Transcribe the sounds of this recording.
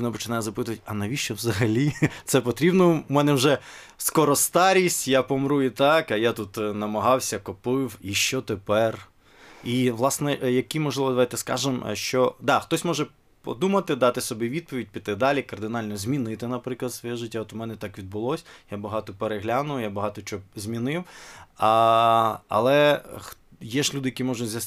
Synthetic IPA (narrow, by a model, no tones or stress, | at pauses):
nɐpɔt͡ʃɪnajɛzɐpɪt̪ʊʋɐtʲɐnɐʋʲiʃt͡ʃɔwzɐɦɐlʲit̪sɛpɔt̪ɾʲibnɔmɛnɛwʒɛskɔɾɔst̪ɑɾʲisʲtʲjapɔmɾuit̪ɑkɐjat̪ut̪nɐmɐɦɑwsʲɐkɔpɪwiʃt͡ʃɔt̪epɛr | iʋlˠɑsnɛʔjɐkʲimɔʒlˠɪʋɔd̪ɐʋajt̪ɛskɑ̰ʒemʃt͡ʃɔd̪ɑxt̪ɔsʲmɔʒɛ | pɔ̰d̪umɐt̪ɪd̪ɑt̪ɪsɔbʲiʋʲid̪̚pɔʋʲid̚ʲpʲit̪ɪd̪ɑlʲikɐrd̪ɪnɑlʲnɔzʲmʲinɪt̪ɪnɐpɾɪklˠɐt̪sʋɔjɛʒɪtʲːaɔt̪ʊmɛnɛt̪ɑkʋʲid̪̚bʊlˠɔsʲjabɐɦɑt̪ɔpeɾeɦlʲanʊjjabɐɦɑt̪ɔt͡ʃɔɔzʲmʲinɪwɐ | ɐ̰lˠɛx | jɛʒlʲud̪ɪjɐkimɔʒʊzʲɐs